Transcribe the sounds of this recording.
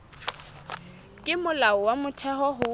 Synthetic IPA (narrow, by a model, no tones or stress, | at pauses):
kʼɪmʊlaɔwamʊtʰɛɦɔɦʊ